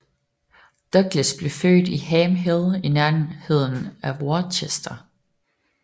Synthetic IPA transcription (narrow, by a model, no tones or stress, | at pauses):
d̥œɡ̥ləsb̥le̝fø̰ːd̥iɦɛːmɦeðˠinæɐhe̝ð̞̰ˠn̩æʋoːɐt͡sʰesd̥ɐ